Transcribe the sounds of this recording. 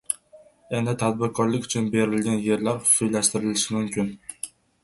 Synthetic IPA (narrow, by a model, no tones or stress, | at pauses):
e̞nd̪ɪt̪ʰat̪̚bɪɾkʰɒɾlɪkʲʊt͡ʃʰʊnbe̞ɾɪlɡʲanje̞ɾlaɾʊ̥sʊjlaʃt̪ɪɾɪlɪʃɪmʊmkʲʰɪn